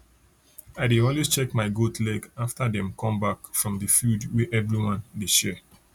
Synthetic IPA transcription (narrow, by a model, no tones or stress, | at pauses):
aɪdeɔ̃lwest͡ʃɛkmaɪɡotlɛɡaftadɛ̃mkɔ̃mbakfɹɔ̃mdəfudwɛʔɛvɹiwãndeʃɛ